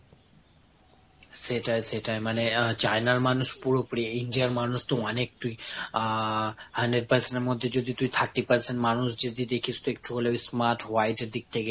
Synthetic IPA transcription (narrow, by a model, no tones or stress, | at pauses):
seʈajseʈajmanet͡ɕajnaɾmanuʃpuɾopɾieinɖijaɾmanuʃt̪oɔnek̚t̪uj | hənɖeɾ̚pəɾsenʈeɾmod̪ʱːed͡ʑod̪it̪ujt̪ʰaɾʈːipəɾt͡ɕʰenmanuʃd͡ʑed̪id̪ekʰist̪oek̚ʈʰuɦoleabismaɾʈwajʈeɾd̪ik̚t̪ʰeke